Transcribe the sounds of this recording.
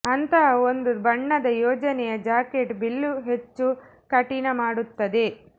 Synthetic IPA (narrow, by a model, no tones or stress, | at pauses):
ɐnt̪ɐɦɐond̪ubɐɳːɐd̪ɐjɔːd͡ʒɐnɛjɐd͡ʒaːkeʈbilːuɦet͡ʃːu | kɐʈinɐmaːɽut̪ːɐd̪e̞